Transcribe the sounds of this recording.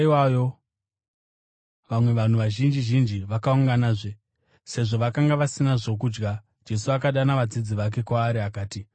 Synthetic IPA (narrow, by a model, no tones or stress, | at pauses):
iwajo | ʋamwe̞ʋan̤uʋaʒind͡ʒiʒind͡ʒiʋakauŋɡanaʐe | se̞ʐo̞ʋakaŋɡaʋasinaʐo̞k̬uːd͡ʒɡa | d͡ʒe̞suakaɗanaʋad͡zid͡ziʋak̬e̞kwaːɾiakaːti